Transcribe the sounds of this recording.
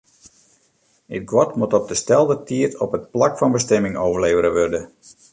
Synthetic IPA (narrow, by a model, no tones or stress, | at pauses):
ət̚ɡwɔtmutɔb̚dəstɛlˠdətʰiətɔ̰pət̚plakfɑnbəstɛmɪŋoːvərleːvəɾəʋørdə